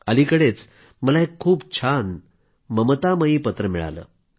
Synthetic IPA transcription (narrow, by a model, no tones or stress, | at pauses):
əlikəɽet͡s | məlaekʰːuːpt͡ɕʰan | məmət̪aməiːpət̪ɾəmiɭa̰lə̰ː